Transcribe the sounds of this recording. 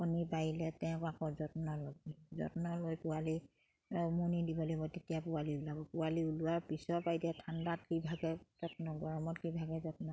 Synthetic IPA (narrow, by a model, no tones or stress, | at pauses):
ɔnipajilɛtɛnɛkɔakɔzɔtnɔlɔzɔ̰tnɔlojpʊwali | munidibɔlobɔtetijapʊaliulabɔpʊwaliulʊaɹpisɔpajdiatʰandat̚kibʱaɡɛzɔtnɔɡɔɹɔmɔtkibʱaɡɛzɔtnɔ